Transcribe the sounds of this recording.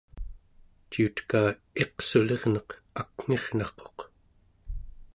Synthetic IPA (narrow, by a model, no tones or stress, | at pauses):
t͡ʃiut̪kaː | e̞qsule̞ʁnʌq | akŋ̥e̞ʁnɑχqo̞̥q